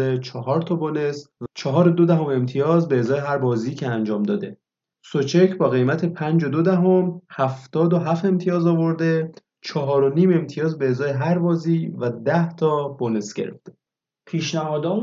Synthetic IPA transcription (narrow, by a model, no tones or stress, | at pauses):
et͡ʃʰɒɦɒːɾt̪ʰɒːbonest͡ʃʰɒɦɒːɾod̪od̪æɦo̞me̞mt̪ʰijɒːzbeːzɒːjeɦæɾbɒːziːcʰeænd͡ʒɒːmd̪ɒːd̪e̞ | sot͡ʃʰecʰbɒːɣe̞jmæt̪ʰe̞pʰænd͡ʒod̪od̪æɦo̞mhæft̪ɒːd̪o̞ɦæfe̞mt̪ʰijɒːzɒːvo̞ɾd̪e̞ | t͡ʃʰɒɦɒːɾo̞niːme̞mt̪ʰijɒːzbe̞ːzɒːjeɦæɾbɒːziːvæd̪æht̪ʰɒːbonesɟe̞̰ɾḛft̪e | pʰiːʃnæhɒːd̪ɒː